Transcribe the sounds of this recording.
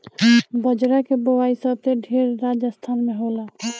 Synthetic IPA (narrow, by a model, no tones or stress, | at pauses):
bəd͡ʒɾakebowaisəb̚t̪eɖʱeɾːad͡ʒəst̪ʰanmeɦola